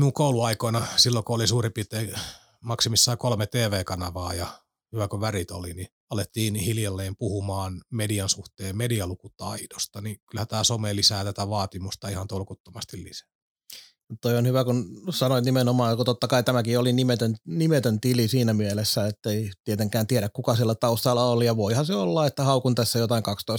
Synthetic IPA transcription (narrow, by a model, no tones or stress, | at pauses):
miuŋkouluɑikoinɑsilːokuolisuːripit̪ˑeː | mɑksimisːɑːkolmet̪eːʋeːkɑnɑʋɑːjɑ | hyʋækoʋærit̪o̰lini | ɑlet̪ːiːnhiljɑlːeːmpuhumɑːnmediɑnsuht̪eːmmediɑlukut̪ɑidost̪ɑnikylhæt̪æːsomeːlisæːt̪æt̪æʋɑːt̪imust̪ɑihɑnt̪olkut̪ːomɑst̪illḭsæ̥ | mutt̪oionhyʋækunsɑnoit̪nimenomɑːjkut̪ot̪ːɑkɑit̪æmækiolinimet̪ønnimet̪ønt̪ilisiːnæmielesːæet̪ːeit̪iet̪eŋkæːnt̪ieɾækkukɑsilːæt̪ɑust̪ɑlːɑolijɑʋoihɑseolːɑet̪ːæhɑukunt̪æsːæjot̪ɑiŋkɑkst̪ois